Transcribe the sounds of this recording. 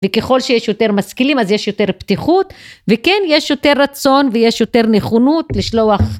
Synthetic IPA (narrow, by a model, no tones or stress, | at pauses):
vekeχo̞lʃejeʃjo̞te̞ʁmaskilimazje̞ʃjo̞te̞ʁptiχut̪vekenjeʃjo̞te̞ʁːat͡so̞nvejeʃjo̞te̞ʁneχonut̪liʃlo̞aχ